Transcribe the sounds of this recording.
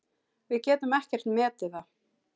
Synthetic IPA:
vɪðcɛːt̪ʏmɛhcɛr̥t̪mɛːt̪ɪθa

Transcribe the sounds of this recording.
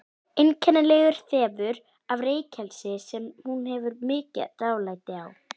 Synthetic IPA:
ɪncʰɛnːalɛɣʏɾ̥θɛːvʏɾ | avreːjcʰɛlsɪsɛmhunhɛvʏɾmɪːca̰t̪aːwlaːjt̪ɪaw

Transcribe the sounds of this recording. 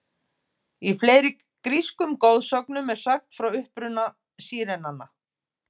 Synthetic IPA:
ifleːjɾɪ | kɾiskʏmkoːwðsœknʏmɛɾ̥saxt̪fɾawʏhpɾʏnːa | siːɾɛnanːa

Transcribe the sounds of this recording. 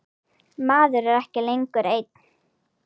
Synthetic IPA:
maːðʏɾɛɾɛhcɪlejŋkʏɾejt̪̚n

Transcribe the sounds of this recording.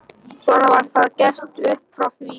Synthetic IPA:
svɔnavaɾ̥θaðcɛr̥t̪ʏhpfɾawθvi

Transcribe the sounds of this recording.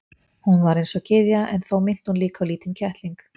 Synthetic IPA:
hunvaɾejnsɔcɪðjaʔɛnθowmɪn̥t̪hunliːkaliːt̪ɪncʰɛht̪liŋk

